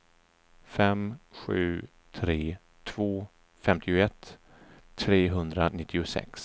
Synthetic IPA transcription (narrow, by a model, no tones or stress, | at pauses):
fɛmɧʉ̟ː | t̪ʰɾeː | t̪ʰv̥oː | fɛmt̪ʰɪʊɛt̪ʰː | ɾeːɦɵnd̪ɾanɪt̪ʰːɪʊsɛ̰ks